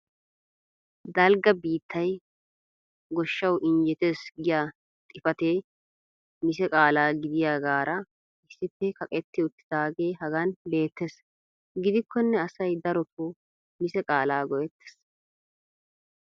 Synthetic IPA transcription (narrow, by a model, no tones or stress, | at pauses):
d̪ɐlɡɐbiːt̪ʰːɐj | ɡɔʃːɐwʔɪnd͡ʒɛt̪eːsɡɪjaː | t̪ʼɪfɐt̪eː | mɪsɛkʼaːlaːɡɪd̪ɪjaːɡaːɾɐ | ɪsːɪpːɛkɐkʼɛt̪ːɪʊt̪ːɪ̥d̪̥aːɡe̞ːhɐɡɐnbe̞ːt̪ːes | ɡɪd̪ɪkʰːɔnːɛɐsɐjd̪ɐɾɔt̪oː | mɪsɛkʼaːlaːɡɔjɛt̪ːɛ̥s